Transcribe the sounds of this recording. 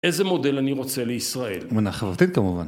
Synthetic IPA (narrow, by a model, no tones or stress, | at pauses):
ezemo̞de̞laniʁo̞t͡seleisʁae̞lmenaχavʁat̪it̪̚kamuva̰n